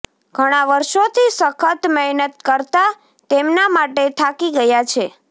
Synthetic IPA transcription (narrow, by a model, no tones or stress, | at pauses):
ɡʱəɽ̃aʋəɾʃot̪ʰisəkʰət̪mɛɦnət̪̚kəɾt̪a | t̪emnamaʈet̪ʰakiɡəjat͡ʃʰe